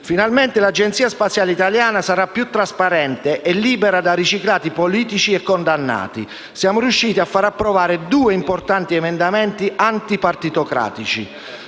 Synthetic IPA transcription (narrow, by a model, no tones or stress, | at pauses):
finalment̪elad͡ʒent̪siːaspat̪sːjaːlit̪aljaːnasaɾapːjut̪ːɾaspaɾɛnt̪eʔɛlːiːbeɾad̪arit͡ʃiklaːt̪ipoliːt̪it͡ʃiɛkːond̪anːa̰ːt̪i | sjaːmʊɾjuʃːiːt̪iafːaɾapːɾɔvaːɾed̪uːeimport̪ant̪iɛmɛnd̪amɛnt̪iʔant̪ipart̪it̪okɾa̰ːt̪it͡ʃḭ